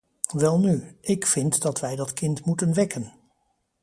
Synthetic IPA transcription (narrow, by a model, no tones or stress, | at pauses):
ʋɛlˠnyʔɪkfɪntdɑtʋɛjdɑtkɪntmutənʋɛkən